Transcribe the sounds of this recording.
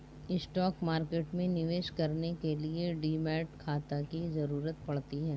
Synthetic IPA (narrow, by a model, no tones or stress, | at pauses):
ɪsʈɔːkmaːɾkeːʈmẽnɪʋeːʃkɐɾnekelieɖiːmɛːʈkʰaːt̪akizɐɾuːɾət̪̚pɐɽt̪iɦɛː